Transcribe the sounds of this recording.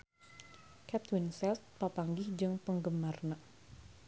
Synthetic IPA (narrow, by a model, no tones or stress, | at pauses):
kɛt̪winsɛlt̪̚papaŋɡɪhd͡ʒɨŋpəŋɡəmarna